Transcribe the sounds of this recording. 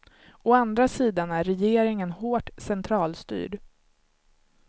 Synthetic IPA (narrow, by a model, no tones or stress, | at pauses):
ɔand̪ɾasiːd̪anæɾɾɛjeːɾɪŋənhoːʈsɛnt̪ʰɾɑːlst̪y̰ːɖ